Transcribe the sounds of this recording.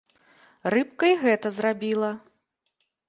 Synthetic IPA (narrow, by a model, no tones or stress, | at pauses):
rɨp̚kɐjɣɛt̪ɐzrabʲilˠɐ